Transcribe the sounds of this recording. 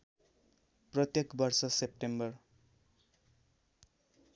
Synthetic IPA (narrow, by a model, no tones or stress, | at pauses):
prʌt̪jekbʌrsʌsep̚ʈembʌr